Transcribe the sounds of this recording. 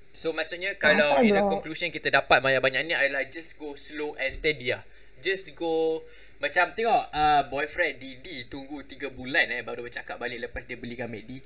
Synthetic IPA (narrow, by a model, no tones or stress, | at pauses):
somãsuʔɲəkalawinəkɔŋklusɔnkit̪adapat̪̚majabaɲaʔnĩajalahd͡ʒasɡosloʔɛnst̪ɛdia | d͡ʒasɡo | mat͡ʃamt̪əŋɔəbɔjfɾɛdidit̪uŋɡut̪iɡəbulanɛbaɾubət͡ʃakaʔ̚balɪʔləpasdiəbəliɡamɛʔdi